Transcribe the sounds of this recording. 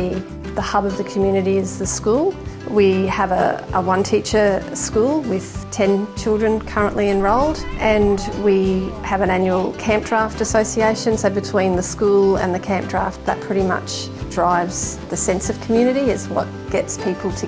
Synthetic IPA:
i | ðəhʌbʌvðɨkʰm̩jʉnɨɾiɪzðɨskulˠwiəvə̰ʔəwʌ̃ntʰit͡ʃə˞skulˠwɪð̥tʰɛ̃nt͡ʃʰɪlˠdɹɨ̃nkʰʌ˞ə̃nʔliɨ̃nɹoʊlˠdʔɨ̃nwiɨvɨ̃næ̃njul̩ˠkʰæ̃mp̚d̥ɹæftɨsoʊsieɪʃɨ̃nsəoʊbɨtʰw̥ĩnðɨskulˠə̰̃nðɨkʰæ̃mp̚d̥ɹ̥æft̪̚ðɨt̚pʰɹ̥ɪɾimʌ̰t͡ʃ | d̥ɹaɪvz̥ðɨsɛ̃nsʌv̥kʰmjʉñɨɾiɨzwʌ̰t̚ɡ̥ɛtspʰipʰl̩ˠtʰɨ

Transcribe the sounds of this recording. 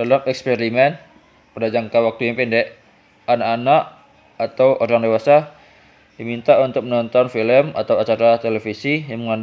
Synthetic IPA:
dalamɛkspeɾimɛn | pədad͡ʒaŋkawak̚t̪uipindɛʔ | anaʔːnaʔ | at̪awoɾaŋdewasa | dimint̪aʔunt̪ʊk̚mənɔnt̪ɔnfiləma̰t̪awat͡ʃaɾat̪elefisijaŋməŋand

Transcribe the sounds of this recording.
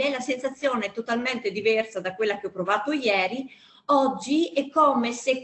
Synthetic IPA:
ɛlasensat̪sːjoːnet̪ot̪alment̪ed̪ivɛrsad̪akwelːak̟eɔpːɾovaːt̪ojɛːɾi | ɔd͡ʒːiɛkːomesek

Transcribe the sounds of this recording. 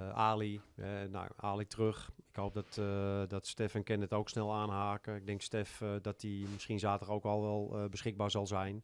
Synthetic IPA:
ʔaːlihɛno̰waːlik̚trøxɪkhowp̚dɔtdɔtstɛfənkɪnətowksnɛlˠaːnɦaːkəɪɡ̚dɪŋkstɪfdɔtimɪsxinzaːtəɾowkɔlˠʋɛlˠbəsxɪɡ̚baːɹzɔlˠzɛjn

